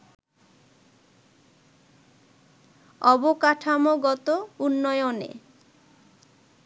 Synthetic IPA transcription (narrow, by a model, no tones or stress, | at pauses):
ɔbokaʈʰamoɡɔt̪ounːɔjonḛ